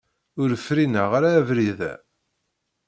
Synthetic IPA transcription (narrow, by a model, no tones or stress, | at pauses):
ʊɾfɾinəʁaɾaːvɾiðæ̰